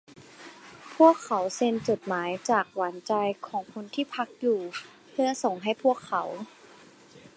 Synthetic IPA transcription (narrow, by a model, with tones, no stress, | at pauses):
pʰu˥˩əkʰːa˩˦wse˧nt͡ɕo˨˩t̪̚maː˩˦jt͡ɕaː˨˩k̚wa˩˦nt͡ɕa˧jkʰɔː˩˦ŋkʰu˧nt̪ʰiː˥˩pʰa˧˦˥k̚juː˨˩ | pʰɯ˥˩ɐso˨˩ŋɦa˥˩jpʰu˥˩əkʰːa˩˦w